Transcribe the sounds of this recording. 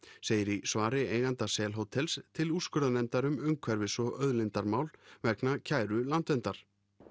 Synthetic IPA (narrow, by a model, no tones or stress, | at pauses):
seːjɪɾisvaːɾɪeːjɣant̪asɛːlɦoːwt̪ʰɛlst̪ʰɪluskʏɾðanɛmt̪aɾʏmʏmkʰvɛɾvɪsɔœðlɪnt̪aɾmaːwlvɛɾknacʰaːjɾʏlant̪vɛnt̪aɾ̥